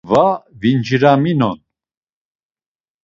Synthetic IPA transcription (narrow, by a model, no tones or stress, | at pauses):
vavind͡ʒiɾaminɔ̰n